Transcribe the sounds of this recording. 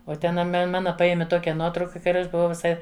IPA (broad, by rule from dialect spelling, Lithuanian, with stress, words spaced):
oː ˈtʲɛn ɐ ˈmʲɛ ˈmɑːnɐ ˈpɑːjɛmʲɪ ˈtoːkʲɛ ˈnuɔtrɐʊkɐ ˈkɐ ɐr ˈɐʃ bʊˈʋɐʊ ʋʲɪˈsɐɪ